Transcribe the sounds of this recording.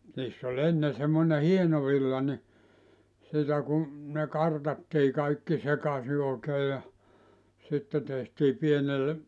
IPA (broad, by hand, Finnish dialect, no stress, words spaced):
niːsː olʲ enːe semːone hieno ʋilːɑ ni sitæ ku ne kɑrtɑtːiː kɑikːi sekɑsi oˑekeː jɑ sitːe tehtiː pienelːe